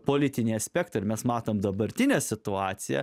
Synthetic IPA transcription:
poːlʲɪt̪ʲɪnʲiːɐsʲpʲɛkt̪ɐɪɾmʲɛsmɑːt̪oːmd̪ɐbɐɾʲt̪ʲɪnʲɛsʲɪt̪ʊɑːt̪sʲɪjɛ̰

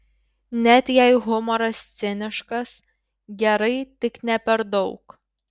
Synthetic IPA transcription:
nʲɛt̪ʲjɛɪɣʊmɔɾɐsʲt̪sʲɪnʲɪʃkɐs | ɡʲɛɾɐɪt̪ʲɪknʲɛpʲɛɾd̪ɒʊk

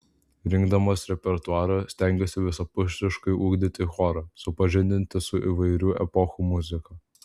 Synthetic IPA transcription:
ɾʲɪŋɡd̪ɐmosɾʲɛpʲɛɾt̪ʊɑːɾɐsʲt̪ʲæˑŋʲɡʲɛsʲɪʋʲɪsɐpʊʃʲt̪ʲɪʃkɐɪʔuːɡd̪ʲɪt̪ʲɪxɔːɾɐsʊpɐʒʲɪnʲd̪ʲɪnʲt̪ʲɪsʊʔiʋɐɪɾʲuːʔɛpɔxuːmʊzʲɪkɐ

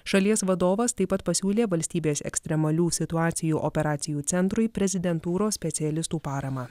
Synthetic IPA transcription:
ʃɐlʲiɛsʋɐd̪oːʋɐst̪ɐɪpːɐt̪pɐsʲuːlʲeːʋɐlʲsʲt̪ʲiːbʲeːsɛ̰ksʲt̪ʲɾʲɛmɐlʲuːsʲɪt̪ʊɑːt̪sʲɪjuːʔɔpʲɛɾɑːt̪sʲɪjuːt̪sʲɛnt̪ɾʊɪpʲɾʲɛzʲɪd̪ʲɛnt̪uːɾoːsʲsʲpʲɛt̪sʲɪɛlʲɪst̪uːpɑːɾɐmɑː

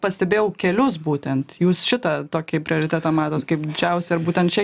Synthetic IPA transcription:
pɐsʲt̪ʲɛbʲeːjɛʊkʲɛlʲʊsbuːt̪ʲɛnt̪juːsʃʲɪt̪ɑt̪oːkʲɪpʲɾʲɪoːɾʲɪt̪ʲæːt̪ɑmɑːt̪oːt̪kɐɪpd̪ʲɪd͡ʒʲɛʊsʲɛɪɾbuːt̪ʲɛnt̪t͡ʃʲɛ

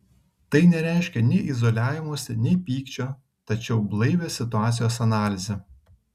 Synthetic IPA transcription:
t̪ɐɪnʲɛɾʲæˑɪʃʲkʲɛnʲɛɪʔɪzɔlʲæːʋʲɪmoːsʲɪnʲɛɪpʲiːkt͡ʃʲoː | t̪ɐt͡ʃʲɛʊblˠɐɪʋʲesʲɪt̪ʊɑːt̪sʲɪjoːsɐnɑːlʲɪzʲɛ

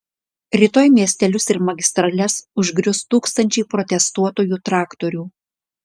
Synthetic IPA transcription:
ɾʲiːt̪oːjmʲiɛsʲt̪ʲɛlʲʊsɪɾmɐɡʲɪst̪ɾɐlʲɛsʊʒʲɡɾʲʊst̪uːkst̪ɐnʲt͡ʃʲɛɪpɾɔt̪ʲɛst̪uɔt̪oːjuːt̪ɾɑːkt̪ɔɾʲuː

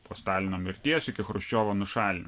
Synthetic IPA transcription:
poːst̪ɑːlʲɪnʲoːmʲɪɾʲt̪ʲiɛsʲɪkʲɪxɾʊʃʲt͡ʃʲoːʋonʊʃɑːlʲɪnʲ

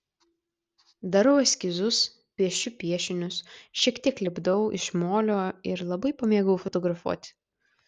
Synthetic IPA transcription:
d̪ɐɾɐʊɐsʲkʲɪzʊs | pʲiɛʃʲʊpʲiɛʃʲɪnʲʊsʃʲiɛkt̪ʲiɛklʲɪbd̪ɐʊʔɪ̰ʃmoːlʲoːɪɾlˠɐbɐɪpɐmʲeɛɡɐʊfɔt̪ɔɡɾɐfṵːt̪ʲ

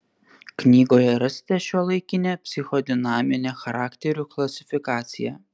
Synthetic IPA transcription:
knʲiːɡoːjɛɾɐsʲt̪ʲɛʃʲuɔlˠɐɪkʲɪnʲepʲsʲɪxɔd̪ʲɪnɑːmʲɪnʲexɐɾɑːkt̪ʲɛɾʲuklˠɐsʲɪfʲɪkɑːt̪sʲɪ̰jɛ̰

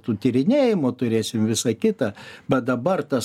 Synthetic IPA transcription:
t̪uːt̪ʲiːɾʲɪnʲeːjɪmoːt̪ʊɾʲeːsʲɪmʋʲɪsɐkʲɪt̪ɐbʲɛt̪̚d̪ɐbɐrt̪ɐs

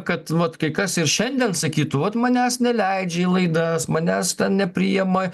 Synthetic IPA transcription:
kɐt̪ʋɐt̪kɐɪkɐsɪrʃʲɛnʲd̪ʲɛnsɐkʲiːt̪ʊʋɐt̪mɐnʲæːsnʲɛlʲɛɪd͡ʒʲɛilˠɐɪd̪ɐsmɐnʲæːst̪ʲɛnnʲɛpʲɾʲijɛmɐ

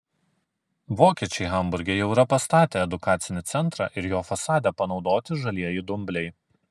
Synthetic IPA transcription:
ʋoːkʲiɛt͡ʃʲɛɪɣɐmbʊɾʲɡʲejɛʊɾɐpɐst̪ɑːt̪ʲeːɛd̪ʊkɑːt̪sʲɪnʲɪt̪sʲɛnˑt̪ɾɑ̰ːʔɪɾjoːfɐsɑːd̪ʲɛpɐnɒʊd̪oːt̪ʲɪʒɐlʲiɛjid̪ʊmʲbʲlʲɛɪ

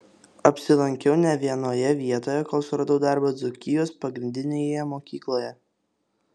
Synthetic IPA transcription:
ɐpʲsʲɪlˠɐŋʲkʲɛʊnʲɛʋʲiɛnoːjɛʋʲiɛt̪oːjɛkoːlˠsʊɾɐd̪ɐʊd̪ɑˑɾbɐd̪zʊkʲɪjoːspɐɡɾʲɪnʲd̪ʲɪnʲejɛmoːkʲiːklˠoːjɛ

